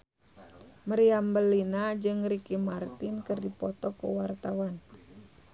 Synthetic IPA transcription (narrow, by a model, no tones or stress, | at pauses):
məɾiambəlinad͡ʒɨŋɾikimart̪inkɨrdipɔt̪ɔkṵwart̪awan